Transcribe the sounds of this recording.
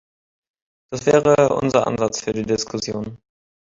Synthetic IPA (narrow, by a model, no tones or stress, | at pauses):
d̥asv̥ɛːʁəʔʊ̰nzɐʔa̰nzat͡sfyːɐdiːdɪskʰʊsjoːn